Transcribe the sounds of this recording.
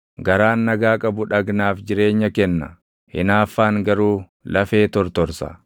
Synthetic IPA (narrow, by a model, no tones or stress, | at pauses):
ɡɐɾaːnːɐɡaːkʼɐbʊᶑɐɡnaːfd͡ʒɪɾe̞ːɲːɐkɛnːɐ̰ | hɪ̰naːfːaːŋɡɐɾuː | lɐfe̞ːt̪ɔɾt̪ɔɾsɐ̰